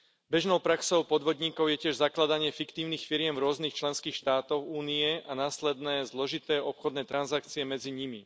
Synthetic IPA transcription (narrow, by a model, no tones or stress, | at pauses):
bɛʒnɔʊpɾaksɔʊpɔd̪ʋɔd̪ɲiːkɔʊjɛcɪɛʒzaklad̪aɲɪɛfikt̪iːʊniːxfiɾɪɛmvɾʊɔznixt͡ʃlɛnskiːxʃt̪aːt̪ɔxuːniɛanaːslɛd̪nɛːzlɔʒit̪ɛːɔpxɔd̪nɛːt̪ɾanzakt͡siɛmɛd͡ziɲimi